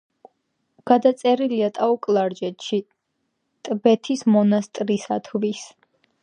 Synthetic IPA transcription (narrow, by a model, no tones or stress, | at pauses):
ɡ̥ad̪at̪sʼɛɾiliat̪ʼaɔkʼlˠaɾd͡ʒɛt̪ʃi | t̪ʼbɛt̪ʰismɔnast̪ʼɾisat̪ʰvis